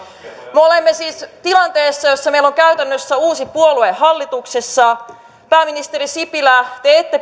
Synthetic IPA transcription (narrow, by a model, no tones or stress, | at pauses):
meo̞le̞mːesiːst̪ilɑnt̪e̞ːsːɑjo̞sːɑme̞ilːo̞ŋkæyt̪ænːøsːæuːsipuo̞lue̞ɦɑlːit̪ukse̞sːɑ | pæːminist̪e̞ɾisipilæt̪eet̪ːe